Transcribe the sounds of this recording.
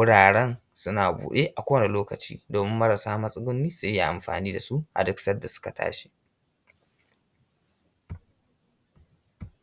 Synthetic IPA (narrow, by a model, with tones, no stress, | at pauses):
wʊ˦ɽaː˨ɽɛ˦n | sʊ˦naː˨bṵː˨ɗe˦ʔa˨kʷoː˦wne˨loː˦kɐ˨t͡ʃiː˦doː˨mɪ˦mːɐ˦ɾɐ˨saː˦mɐ˦sʼɪ˦ɡʊ˦nːiː˦sʊ˦ja˦˨ʔa˨mɸa̰ː˨niː˦da˨su˦ʔa̰˨dɪ˦ksɐ˦da˨sʊ̥˦ka˨tʰa̰ː˦ʃi̥˦